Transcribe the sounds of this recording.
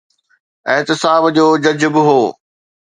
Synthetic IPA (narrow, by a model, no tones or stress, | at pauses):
ɪ̃ɦ̪t̪ɪsaːbd͡ʑoːd͡ʑɐd͡ʑʊbɪɦoː